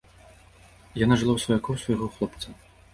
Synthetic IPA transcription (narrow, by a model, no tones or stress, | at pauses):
janaʐɨlˠawsvɔjakɔwsvɐjɣɔxlˠɔpt̪sɐ